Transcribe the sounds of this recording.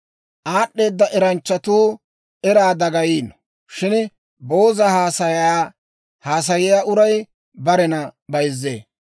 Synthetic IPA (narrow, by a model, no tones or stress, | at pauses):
ʔaːɗːe̞ːd̪ːɐʔɛɾɐnt͡ʃːɐt̪uː | ʔɛɾaːd̪ɐɡɐjiːn | ʃɪn | bo̞ːzɐhaːsɐa | haːs̬ɐjɪjaːʔʊɾɐj | bɐɾɛnɐbɐjzːḛː